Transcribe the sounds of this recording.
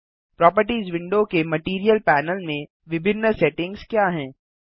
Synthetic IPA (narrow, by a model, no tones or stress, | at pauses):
pɾɔːpəɾʈiːzʋɪ̃ɳɖokemɐʈiːɾijəlpɛːnəlmẽ | ʋɪbʱɪnːəsɛʈɪ̃ŋɡzkjaːɦɛ̃ː